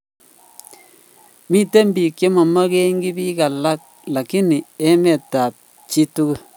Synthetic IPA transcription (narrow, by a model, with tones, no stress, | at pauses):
mi˦˨te˦m˦bi˨kje˦ma˨ma˦ke˦ŋɡi˦bi˦ka˨la˦k̚ | la˨ki˦ni˨ɛ˦mɛ˨ta˨p̚ | t͡ʃi˦tu˦ku˦